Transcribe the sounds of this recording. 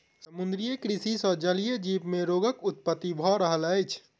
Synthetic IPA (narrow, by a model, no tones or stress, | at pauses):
səmund̪ɾijekɾisisəd͡ʒəlijəd͡ʒipmeɾoɡəkut̪̚pət̪ːibʱɔɾəɦələjt͡ʃʰ